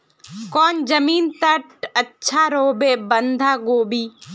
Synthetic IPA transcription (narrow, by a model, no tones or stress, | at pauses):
kɔːnd͡ʒɐmiːnt̪ɐʈɐtːʃʰaːɾoːbebɐnd̪ʱaːɡoːbiː